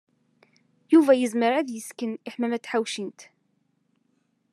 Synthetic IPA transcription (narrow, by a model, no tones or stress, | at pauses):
juvæjəzməɾæðjəskəniħmæmæt͡sːħawʃint̪